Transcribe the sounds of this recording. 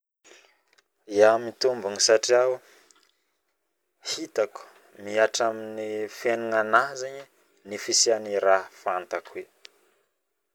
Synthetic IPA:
iamit̪umbuŋisaʈ͡ʂiaw | hit̪aku̥ | miaʈ͡ʂaminifenuŋanaɦzeɲi | nifisianiɾaɦfant̪akwe

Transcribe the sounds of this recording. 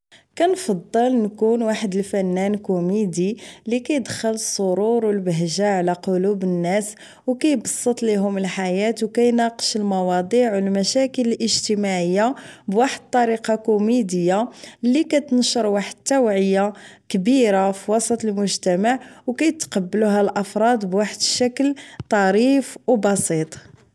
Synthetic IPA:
kænfɑd̪ˤːəlnkunwaħəd̪əlfænːænkumid̪ilikæjəd̪xələsˤːʊɾuɾwəlbəɦʒaʕlæqolubənːæs | wkæjbɑsˤːət̪ˤliɦʊməlħajæt̪wkæjnɑqə̥ʃəlmɑwɑd̪ˤiʕwəlmæʃækələlʔəʒt̪əmaʕəjːabwaħəd̪̚t̪ˤːɑɾiqɑkʊmid̪əjːalikæt̪nʃəɾˤwaħəd̪̚t̪ːæwʕəjːakbiɾafiwɑsˤɑt̪ˤəlmʊʒt̪æmaʕwkæjt̪qɑbːəluɦælʔɑfɾˤɑd̪ˤbwaħəd̪ʃækəlt̪ˤɑɾifwbɑsit̪ˤ

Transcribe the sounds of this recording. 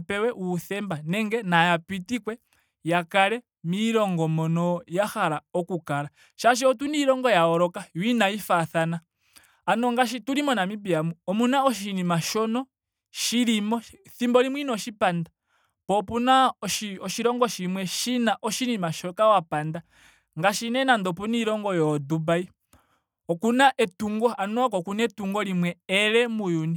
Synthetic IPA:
pɛwɛʔuːθɛmbanɛŋɡɛnajapitikwɛ | jakaɾɛ | miɾɔŋɡɔmɔnɔjaxaɾaɔkukaɾa | ʃaʃ̬iɔtuniɾɔŋɡɔjaɔɾɔkajwinaifaθanaː | nɔŋɡaʃ̬ituɾimɔnamipiamuɔmunaɔʃ̬inimaʃɔnɔ | ʃiɾimɔθimbɔɾimwinɔʃipanda | pɔpunaɔʃiɔʃiɾɔŋɡɔʃimwɛʃinaʔɔʃinimaʃɔkawapanda | ŋɡaʃinɛnand̪ɔp̬uniɾɔŋɡɔjɔdubai | ɔkunaʔɛtuŋɡɔanɔkɔkunɛtuŋɡɔlimwɛɛɾɛmujuni

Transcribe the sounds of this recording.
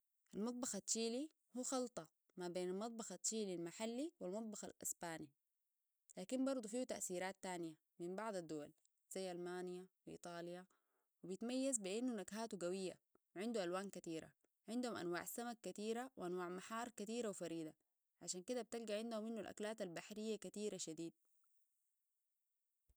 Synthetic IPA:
ʔalmɑt̪ˤbɑxat͡ʃːiːli | huːxɑlt̪ˤɑ | mabeːnalmɑt̪ˤbɑxat͡ʃːiːlilmaħalːiwalmɑt̪ˤbɑxa̰lʔa̰sbaːni | laːkimbɑɾˤd̪ˤufiːut̪a̰ʔsiːɾaːt̪ːaːnija | mimbɑʕd̪ˤad̪ːuwal | z̥ajːʔalmaːnijawʔḭːt̪ˤɑːlja | wibijit̪majːazbiʔinːunaɡhaːt̪uɡawijːa̰wʕɪnd̪uʔalwaːnkat̪iːɾa̰ | ʕɪnd̪humʔa̰nwa̰ːʕsːamakːat̪iːɾawʔanwaːʕmaħɑːɾˤkat̪iːɾawfaɾiːd̪a | ʕaʃaːnkid̪ab̚t̪alɡaʕɪnd̪humːinːualʔa̰klaːt̪albaħɾijːakat̪iːɾaʃad̪iːd̪̚

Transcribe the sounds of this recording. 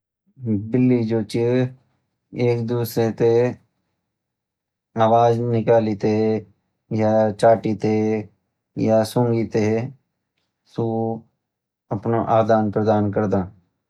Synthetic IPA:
bɪlːid͡ʒoːt͡ʃi | eːkd̪uːsɾet̪e | aːʋaːznɪkaːlit̪eɦɛ | jaːt͡ʃaːʈit̪eɛ | jaːsõːŋɡiːt̪eɦɛ | t̪oː | əpnoʔaːd̪aːnpɾəd̪aːnkəɾd̪ãː

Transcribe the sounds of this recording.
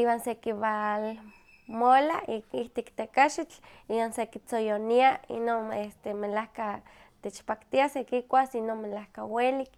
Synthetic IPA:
iwansekiβal | molaiiht̪ikt̪ekaʃit͡ɬ | iwansekit͡sojoniaḭnonest̪emelahka | t̪et͡ʃpakt̪iasekikʷasinonmelahkawelik

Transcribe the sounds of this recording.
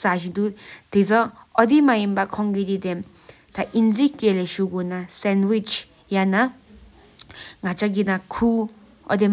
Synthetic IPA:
saʃid̪ut̪et͡sɔɔd̪imajimbakʰɔŋɡid̪id̪ɛm | t̪ʰaʔinzikːelɛʃuɡunasɛnwit͡ʃ | jana | ŋat͡ʃaɡinakʰu | ʔɔ̰d̪e

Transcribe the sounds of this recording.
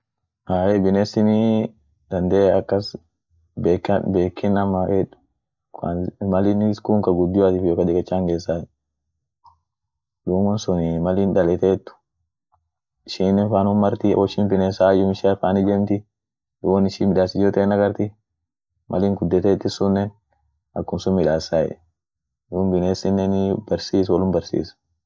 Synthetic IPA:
ʔaːebɪneːsɪnɪ | d̪̥ɐnd̪eːɐkːɐs | beːkbeːkːɪnɐmːɐʔɛᶑʊ̥ | kamɐlɪnskuːŋkɐɡʊd̪ːɪwaːt̪iːfjoːkɐd̪ɛkʼɛt͡ʃːaːŋɡeːsːaː | ᶑuːmɔnsʊnɪmɐliːnd̪ɐlɛt̪eːt̪ːʊ̥ | ɪʃiːnːɛnfaːnʊmɐɾt̪iʔɔʃɪmbɪneːsaːjʊmɪʃaːfaːnɪd͡ʒɛmt̪ɪ | duwɐnɪʃiːmɪᶑaːsɪd͡ʒot̪eːnɐɡɐɾt̪ɪ | mʔɐliːŋɡʊd̪ːɛt̪et̪ːɪsʊnːɛn | ɐkːʊmsʊmɪᶑaːsːaːjɛ̰ | duːbɪneːsɪnːɛnɪbɐɾsiːs̬wɐlʊmbɐɾsḭːsɐ̥

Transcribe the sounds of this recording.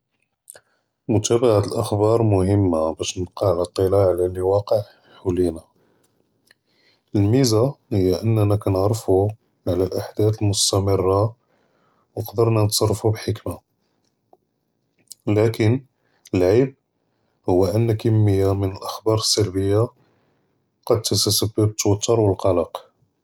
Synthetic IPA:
mʊt̪æbaʕat̪əlʔəxbɑɾˤmʊhəmːabæʃnəb̚qɑʕlæt̪ˤːəlaʕlæliwɑqəʕ | ħulina | əlmizahəjːaʔənːænækænəʕɾˤəfu | ʕlælʔaħd̪æt̪əlmʊst̪æmərˤːɑ | wnəqd̪əɾnænət̪sˤɑrˤːfubħəkma | lækən | əlʕib̚ | hʊwːæʔənːækəmːəjːamənəlʔəxbɑɾˤəsːəlbəjːa | qɑd̪̚t̪ːəsəsəbːəbət̪ːwɑt̪ˤːəɾwəlqɑləq

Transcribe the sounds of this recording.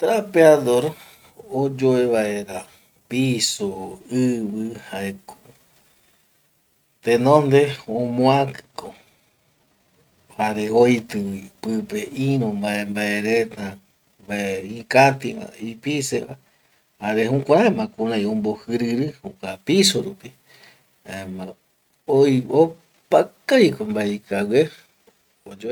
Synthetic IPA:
t̪ɾapeaðoɾ | od͡ʒoeβaeɾa | pisoɨβɨhaeko̥ | t̪enõnd̪eõmõakɨ̥ko | haɾeojt̪ɨipɨpeĩɾõmbaembaeɾet̪a | mbaeĩkat̪ia̰ipiseβa | haɾeɦũkʷãɾaemãkũɾãj̃õmbohɨɾɨɾɨhukʷapisoɾupi | aema | ojo | pakajkombaeikawe | od͡ʒo

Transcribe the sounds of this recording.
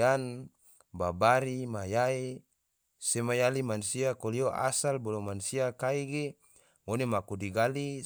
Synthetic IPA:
an | babaɾimajai | semajalimansiakolioʔa̰salbolomansiakaiɡe | monemakudiɡali

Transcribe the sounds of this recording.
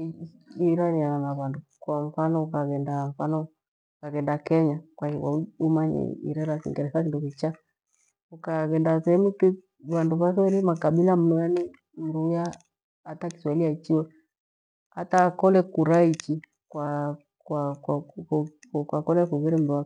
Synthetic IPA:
iɾaniananaβandukwam̩fanɔukaɣɛndam̩fanɔ | ukaɣɛndakɛɲakwaiwa̰uumaɲɛ̰ḭɾɛɾasḭŋɡɛɾɛsakindukit͡ʃa | ukaɣɛndasɛɛmuki | βanduβas̬ɛɾimakaɓilam̩nujani | m̩dujaː | taki̥swaliat͡ʃiwɛ | a̰taːkɔlɛkuɾait͡ʃi | kwa | wakw | kwakɔlɛkuɣɛɾɛm̩duwa

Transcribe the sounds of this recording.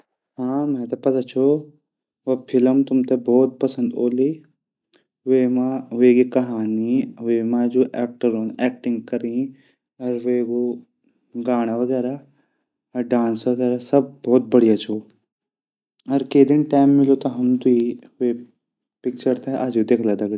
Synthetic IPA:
ɦãːmɛ̃t̪ɐpɐt̪at͡ʃʰo | ʋopʰɪləmt̪ʊmt̪ebɔːt̪̚pɐsə̃nd̪oːli | ʋeːmãekikɐɦaːniʋeːmãd͡ʒoʔɛːk̚ʈəɾonɛːkʈɪ̃ŋɡ̚kɐɾĩ | ɐɾʋeɡo | ɡaːɽ̃aʋɐɡɛːɾa | ɖãːnsʋɐɡɛːɾasɐb̚bɔːt̪̚bɐɽ̤ijat͡ʃʰo | ɐɾkeːd̪ɪnʈaːjmːɪlot̪ɐɦɐmt̪ui | e | pɪk̚t͡ʃəɾt̪ɛʔaːd͡ʒid̪eːkʰlad̪ɐɡɽi

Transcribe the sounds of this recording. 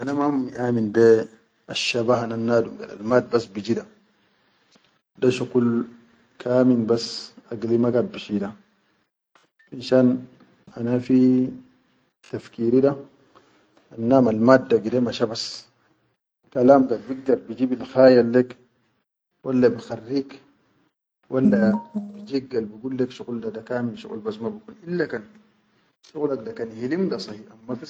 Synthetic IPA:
ʔanamaumːiʔaːminde | aʃːabaːhananːaːdumɡa̰da̰lmaːd̪̚basbid͡ʒida | daʃukul | kʰaːminbasaɡlimaɡat̪̚biʃida | ʔinʃaːn | anafi | t̪afkiːɾida | ʔanːaːmalmaːd̪ːaɡidemaʃabas | kalaːmɡalbiɡ̚d̪ɑɾˤbid͡ʒiːbilxaːjalːek | walːabixarːiːk | walːabid͡ʒik̚ɡalbiɡuːlːekʃuɣuldad̪akaːmilʃṵɣṵlbasmabikuːnʔilːakan | ʃuɣlak̚dakanhilimdasˤɑhiʔamːaba

